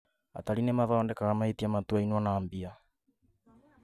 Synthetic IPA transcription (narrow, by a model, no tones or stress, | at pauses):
a̰talinɛmaðaɔndɛkaɣamaitiamatuainwanaːmbia